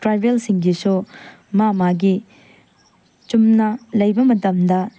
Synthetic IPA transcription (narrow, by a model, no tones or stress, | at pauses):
tɾajbjelsiŋɡisu | mamaɡi | t͡ʃumnɐlɐjbɐmɐtɐmdɐ